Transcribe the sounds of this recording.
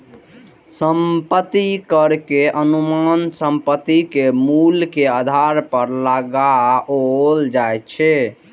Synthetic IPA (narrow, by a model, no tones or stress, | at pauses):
səmpət̪ːikəɾkeʔənumansəmpət̪ːikemulkead̪ʱaɾpəɾləɡaold͡ʒajt͡ʃʰɛ